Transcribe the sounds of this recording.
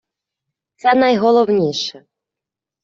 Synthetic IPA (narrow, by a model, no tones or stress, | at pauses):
t͡s̪ʲanajɣɔlˠɔwnʲejʂɐ